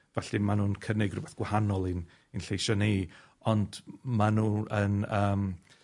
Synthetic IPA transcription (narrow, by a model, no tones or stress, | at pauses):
vɛɬɪmanuːnkʰənɪɡrʊbɛθɡ̥wahanɔlˠɪn | inɬejʃɔni | ɔnd̥manuːənəːm